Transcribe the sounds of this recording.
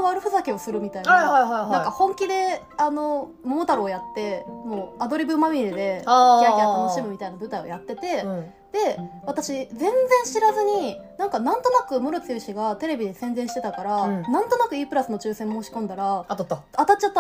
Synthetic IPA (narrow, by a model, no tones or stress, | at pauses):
βaɾɯ̟ɸɯ̟sakʲiosɨɾɯ̟mʲit̪ainahaihaiɦ̪ãkahõ̞ŋkʲid̪e̞ | ano̞ | momot̪aɾɯojat̪ːe̞moːad̪o̞ɾʲibɯ̟mamʲiɾid̪e̞aiaat̪ano̞ɕimɯ̟mʲit̪ainabɯ̟t̪aio̰jat̪ːe̞t̪e̞ | d̪̥e̞βat̪aɕid͡zẽ̞nd͡zẽ̞ɰ̃ɕiɾazɨɲ̟inãŋkanãnt̪o̞nakɯ̟mɯ̟ɾot͡sɨjɯ̟ɕiɡat̪e̞ɾe̞bʲid̪esẽ̞nd͡zẽɕi̥t̪et̪akaɾanãnt̪o̞nakɯ̟iːpɯ̟ɾasɨno̞t͡ɕɨːsẽ̞mːo̞ːɕi̥kõ̞nd̪aɾaat̪at͡ɕːat̪ː